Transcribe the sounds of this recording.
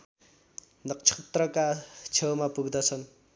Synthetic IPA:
nʌk̚t͡sʰʌt̪rʌkat͡sʰewmapuɡd̪ʌt͡sʰʌn

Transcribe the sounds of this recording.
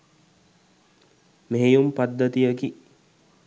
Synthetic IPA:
meːjumpad̪ːət̪ijəki

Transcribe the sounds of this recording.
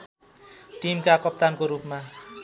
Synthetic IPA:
ʈimkakʌp̚t̪ankoɾupma

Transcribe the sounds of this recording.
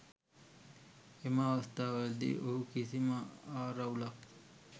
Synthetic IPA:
eməːʋast̪aːʋəld̪ḭʔoɦukisiməaːɾaulak̚

